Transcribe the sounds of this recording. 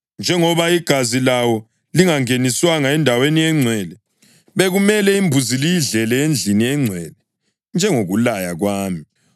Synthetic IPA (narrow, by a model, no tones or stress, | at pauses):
nd͡ʒʱɛŋɔβaiɡ̥ʱazilawɔ | liŋaŋeniswaŋaɛndʱaweniɛŋ͡ǀʱwɛːlɛ | βeɣumɛlɛimbʱuzilijiɮɛlɛend͡ɮʱiniɛŋ͡ǀʱwɛlɛ | nd͡ʒʱɛŋoɣulajaɣwaːmi